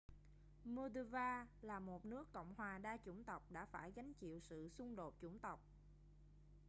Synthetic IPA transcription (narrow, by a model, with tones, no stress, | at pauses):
mu˧ɗə˧vaː˧laː˨˩mo˨˩t̚nɨ˦˥əkːə̰˧˨wŋ͡mhwaː˨˩ɗaː˧t͡ɕʊ˧˩ŋ͡mt̪ə˨˩wk͡p̚ɗa̰ː˧˥faː˧˩jɣa˨˦jŋ̟t͡ɕḭ˧˨wsɨ̰˧˨sʊ˧ŋ͡mɗo˨˩t̚t͡ɕʊ˧˩ŋ͡mt̪ə˨˩wk͡p̚